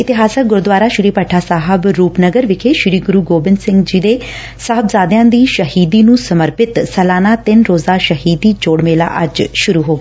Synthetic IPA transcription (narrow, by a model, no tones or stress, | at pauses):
ɪt̪ɪɦaːsək̚ɡʊɾd̪ʋaːɾaːʃɪɾiːpəʈʰːaːsaːɦəbɾuːpnəɡəɾʋɪkʰeːʃɪɾiːɡʊɾuːɡoːbɪnsɪ̃ŋɡd͡ʒiːd̪eː | səɦəbzaːd̪jãːd̪iːʃəɦiːd̪iːnũːsəməɾpɪt̪sɛːlaːnaːt̪ɪnɾoːzaːʃəɦiːd̪iːd͡ʒoːɽmeːla̰ːʔəd͡ʒʃʊɾuːɦoː